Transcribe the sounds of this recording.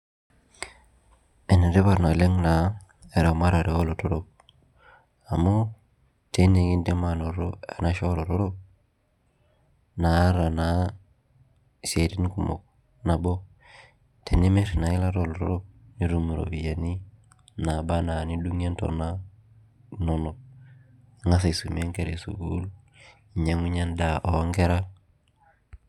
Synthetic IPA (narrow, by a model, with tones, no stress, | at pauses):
e˨ni˨ɾe˦ba˨ɾna˨le˦ŋna˨˦ | e˨ɾa˨ma˦ɾa˨ɾe˨o˦lo˨to˦ɾo˦p̚ | a˨mo˦ | te˦ne˨ɡi˦nde˦ma˦no˨ɾo˦ḛ˨na˦ʃo˦lo˨ɾo˦ɾo˦p̚ | na˨˦ɾa˨na˨ | se˨ti˦n˦ku˨mo̰˨k̚ | na˨bɔ˦ | tʰe˨ni˦mɛ˦ɾna˨i˦la˦ɾɔ˨lɔ˨ɾɔ̰˦ɾo˦ni˦ɾu˦mu˨ɾo̰˨βi˨ja˨ni˦ | na˨ba˦na˨ni˦du˦ŋ˦e˦n˦tɔ̰˨na˦ | nɔ˨nɔ˨˦ | ŋa˦s̬a˨i˨su˨m˦e˦ŋke˨ɾe˨sṵ˨ɡu˦l | i˨ɲa˦ŋi˦ɲa˦n˦da˨ʔɔ˨˦ŋɡɛ˦ɾa˦